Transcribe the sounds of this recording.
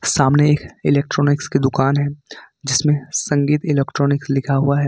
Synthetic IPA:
saːmneeːkɪleːk̚ʈɾɔːnɪksked̪ʊkaːnɦɛ | d͡ʒɪsmẽsɐ̃ŋɡiːt̪ɪlɛːkʈɾɔːnɪkslɪkʰaɦuaɦɛː

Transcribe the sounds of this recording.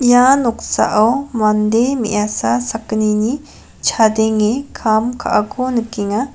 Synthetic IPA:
januksa̰ʔɐwmɐnd̪emḭʔasasɐknini | t͡ʃʰad̪eŋekʰamkʰa̰ʔakonkiŋa

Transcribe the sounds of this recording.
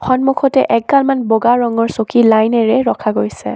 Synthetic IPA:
xɔnmukʰɔtɛʔɛk̚ɡalmanboɡaɹɔŋɔɹsokilajnɛɹɛɹɔkʰaɡojsɛ̰

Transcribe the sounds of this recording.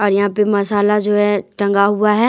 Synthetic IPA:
ɔːɾjɐɦãpemɐsaːlad͡ʒoːɦɛʈɐ̃ŋɡaɦuaɦɛ

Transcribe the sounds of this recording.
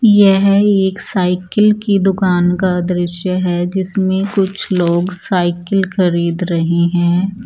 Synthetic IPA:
jɛɦeːksaːɪkəlkid̪ʊkaːnkad̪ɾɪʃjəɦɛd͡ʒɪsmẽkʊt͡ʃʰloːɡsaːɪkəlxɐɾiːd̪ɾɐɦeɦɛ̃ː

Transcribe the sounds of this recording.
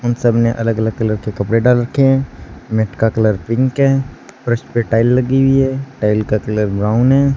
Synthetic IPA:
ʊnsəbneʔɐləɡələɡ̚kələɾkekɐpɽeɖaːlɾəkʰːeɦɛ̃ːmeʈkakɐləɾpɪ̃ŋkɦɛ̃ːpɾəspeʈaːɪlːɐɡiwiɦɛ̃ːʈaːɪlkakɐləɾbɾaːʊnɦɛ̃ː

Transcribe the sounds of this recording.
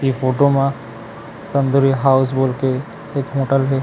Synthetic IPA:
ipʰoːʈomã | t̪ə̃nd̪uɾiɦaːʊs̬boːlke | eːkɦoʈəlɦe

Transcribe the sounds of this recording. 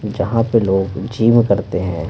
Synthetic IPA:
d͡ʒɐɦãpeloːɡd͡ʒiːmkɐɾt̪eɦɛ̰̃ː

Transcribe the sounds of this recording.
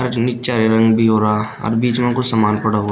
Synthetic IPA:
ɐɾnɪkt͡ʃaɾeɾɐ̃ŋɡbʱiɦoːɾaa | ɔ̰ɾbiːt͡ʃmẽkʊsamaːnpɐɽaɦoː

